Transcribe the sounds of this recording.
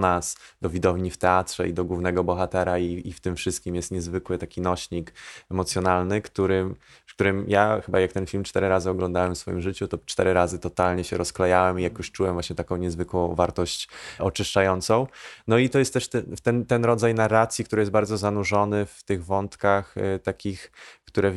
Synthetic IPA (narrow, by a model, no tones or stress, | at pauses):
nasd̪ɔvʲid̪ɔvɲift̪ɛat̪ʂɛ̰ḭd̪ɔɡwuvnɛɡɔbɔxat̪ɛɾaiift̪ɘmfʂɘst̪kʲimjɛst̪ɲɛzvɘkwɘt̪akʲinɔɕɲikɛmɔt̪sʲjɔnalnɘkt̪uɾɘm | fkt̪uɾɘmjaxɘbajak̚t̪ɛnfʲilmt͡ʂt̪ɛɾɘɾazɘɔɡlɔ̃nd̪awɛmfsfɔjimʐɘt͡ɕut̪ɔt͡ʂt̪ɛɾɘɾazɘt̪ɔt̪alɲɛɕɛɾɔsklɛjawɛmijakjuʂt͡ʂuwɛmvwaɕɲɛt̪akɔ̃w̃ɲɛzvɘkwɔ̃w̃vaɾt̪ɔɕt͡ɕɔt͡ʂɘʂt͡ʂajɔnt̪sɔ̃w̃nɔit̪ɔjɛst̪ːɛʂt̪ɛft̪ɛnt̪ɛnɾɔd̪zajnarːat̪sʲjikt̪uɾɘjɛst̪̚baɾd̪zɔzanuʐɔnɘft̪ɘɣvɔnt̪kaxt̪akʲixkt̪uɾɛ